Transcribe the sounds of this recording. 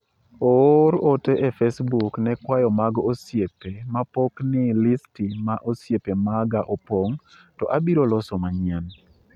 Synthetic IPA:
oɾoteʔefesbuknɛkwajɔmaɡosjepemapoknɪlistimaʔosjepemaɡaʔopoŋ | tɔʔabiɾolɔsɔmaɲɪɛn

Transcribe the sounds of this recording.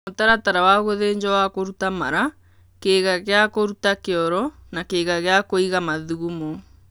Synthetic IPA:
otaɾataɾawaɣoðeːɲd͡ʒɔwakoɾutama̰ɾa | keɣaɣeakoɾutakeɔɾɔnakeɣaɣeakoiɣamaðuɣumo

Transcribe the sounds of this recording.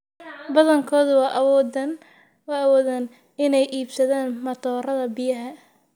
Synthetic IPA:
bɐðɐŋkʰɔːðʊwɑːʔwn | wɑːwɔːðɐn | ʔɪnɛjʔiːbsɐðaːnmɐt̪ʰɔːrɐðɐbɪjɐɦɐ

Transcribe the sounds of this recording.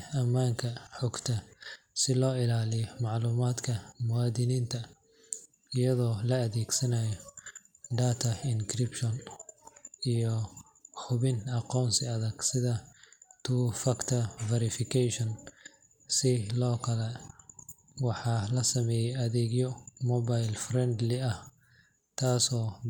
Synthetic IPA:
ɐmːaːŋkʰɐħɔɡt̪ʰɐsɪlɔːɪlaːlɪjɔmɑʕluːmaːd̪kʰɐmʊwɑːd̪ɪniːnt̪ʰɐ | ɪjɐðɔːlɐːðɛːɡsɐnɐjɔ | ɖaːt̪ʰɐɪŋkʰrɪpʃɔn | ijɔ | ħʊβɪnɑqɔːnsɪɐðɐɡsɪðɐt̪ʰuːfɐkt̪ʰɐvɛɾɪfɪkʰɛʃɔn | sɪlɔːkʰɐlɛ | wɑħɑːlɐsɐmɛːjɛjɐðɛːɡjɔmɔβajlfrɛnd̪lɪɐh | t̪ʰaːsɔː

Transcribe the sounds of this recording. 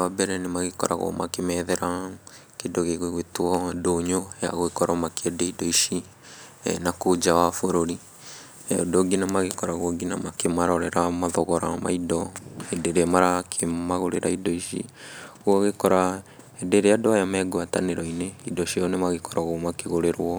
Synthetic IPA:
abɛɾɛnemaɣekɔ̰ɾa̰ɣo̰makemɛðɛɾa | kedoɣeɣweɣwetwɔdoɲoja̰ɣoekɔɾɔmakeɛdeidɔiʃi | nakod͡ʒawafoɾoɾi | odoɡinamaɣekɔɾaɣwɔɡinamakemaɾɔɾɛɾamaðɔɣɔɾama̰idɔedeɾeamaɾakʰemaɣoɾeɾaidɔiʃḭɣwɔɣekɔɾa | ɛdeɾeadoajamɛːɡoataneɾɔineidɔʃɔnemaɣekɔɾaɣomakeɣoɾeɾwɔ

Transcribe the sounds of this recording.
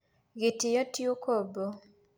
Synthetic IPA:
ɡitɪjɔtjokobo

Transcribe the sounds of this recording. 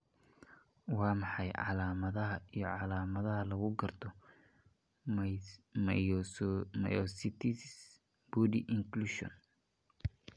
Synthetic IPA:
wɑːmɑħɑjʕɑ̰laːmɐðɐɦɐijɔʕɑlaːmɐðɐɦɐlɐɣʊɡɐrt̪ʰɔ | m | mɐ̰jɔsit̪ʰis | b̥udiʔɪŋkluʃɔ̰n

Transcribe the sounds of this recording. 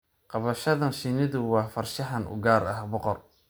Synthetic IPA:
qɑβɐʃɐðɐnʃɪnɪðʊwɑːfɐrʃɐɦɐnʔʊ̰ɡaːɾɐ̰hbɔqɔr

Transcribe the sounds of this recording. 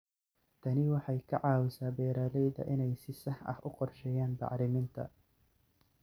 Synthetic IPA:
t̪ʰɐnɪwɑħɑjkʰɐ̰ʕɑːwɪsaːbɛːɾaːlɛjðɐ̰ʔɪnɛjsɪsɐhɐ̰hʔʊqɔrʃɛːjaːnbɑ̰ʕɾɪmɪnt̪ʰɐ̰

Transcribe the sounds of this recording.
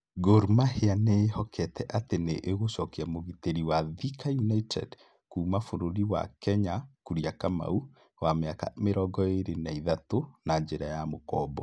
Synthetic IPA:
ɡoɾmaheanehɔkʰɛtʰɛʔateneʔːɣosɔkiamoɣiteɾiwaðikajunaitʰɛ̰d | kuːmafoɾoɾiwa̰kɛɲakuɾiakama̰u | wameaka̰meɾɔɡɔeɾenaiðatonaɲd͡ʒeɾajamokɔbɔ

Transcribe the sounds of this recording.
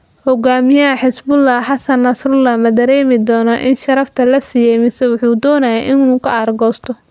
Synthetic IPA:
hɔɡaːmɪjɐɐħɪsbʊlːɑhħɑsɐnːɐsrʊlːɑhmɐd̪ɐɾɛːmɪd̪ɔːnɐʔɪnʃɐɾɐft̪ʰɐlɐsijɛjmɪsɛwʊħuːd̪ɔːnɐjɛʔɪnuːkʰɐɐrɡɔːst̪ʰɔ

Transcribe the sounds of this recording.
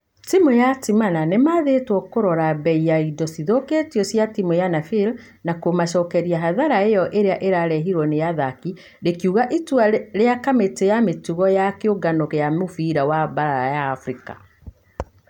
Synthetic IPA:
timojatimananemaðetwɔkoɾɔɾabɛijaidɔsiðoketiɔsjatimojanafil | nakomaʃɔːkɛɾiaɦaðaɾaejɔʔeɾeaʔeɾaɾɛɦiɾwɔnejaðaki | ɾekjuːɣaʔitwaɾeakametejametuɣɔjakeoɡanɔkejamofiɾawabaɾaɾajaːfɾika̰

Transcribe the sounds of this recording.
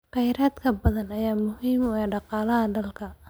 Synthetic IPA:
qɛjɾaːd̪kʰɐbɐðɐnɐjaːmʊhiːmʊɛːɖɑqɑːlɐɦɐɖɐlkʰɐ

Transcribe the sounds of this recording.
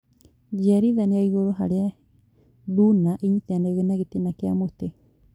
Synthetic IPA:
d͡ʒaɾiðaneaiɣoɾoɦa̰ɾea | dunaʔiɲitaneɣenaɣetinakeamote

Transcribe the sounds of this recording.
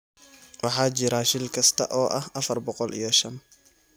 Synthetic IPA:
wɑħɑːt͡ʃɪɾaʃɪlkʰɐst̪ʰɐ̰ʔɔːʔɐhʔɐfɐrbɔqɔlḭjɔʃɐn

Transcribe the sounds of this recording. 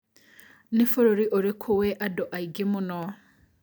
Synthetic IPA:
nifoɾoɾiʔoɾikʰuweʔadoʔaiɡimuno

